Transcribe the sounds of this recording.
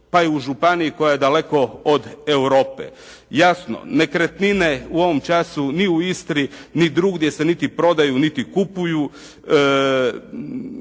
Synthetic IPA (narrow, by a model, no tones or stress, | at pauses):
paiuʒupanijiko̞jaje̞d̪ale̞ko̞od̪ewɾo̞ːpḛ | jasno̰ne̞kɾet̪nine̞uo̞ʋo̞mt͡ʃasuniuist̪ɾinid̪ɾuɡd̪jese̞nit̪ipɾo̞d̪ajunit̪ikupuju